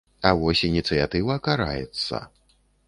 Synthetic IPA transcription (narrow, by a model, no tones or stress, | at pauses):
avɔsʲinʲit̪sɨjat̪ɨvɐkaɾa̰jɛt̪sːɐ̰